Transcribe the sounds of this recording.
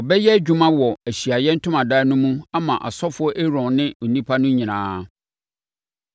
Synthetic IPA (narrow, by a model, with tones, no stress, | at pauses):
ɔ˨bɛ˦jɛ˦d͡ʑᶣu˦mã˦wɔ˨æ˨ɕi˨a˨jɛ˦n̩˦tʰʊ̃˦mã˨daː˦nʊ̃˦mũ˦a˦mã˨ʔa̰˨sɔ˦fʊ˨˦ɔ˦ʔe˦ɾɔ̃˨nnɪ̃˦o˨nĩ˦pʰa˦nʊ̃˦ɲĩ˨nãː˦˨